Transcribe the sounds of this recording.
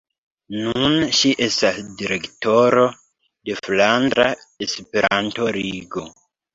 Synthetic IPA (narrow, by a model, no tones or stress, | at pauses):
nunʃiʔe̞stasdiɾe̞kto̞ɾo̞ | de̞flandɾa | espeɾʔanto̞ɾiɡo̞